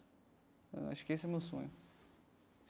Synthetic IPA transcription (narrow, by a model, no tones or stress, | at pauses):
a̰ʃʊ̥kesɛmewsõɲʊ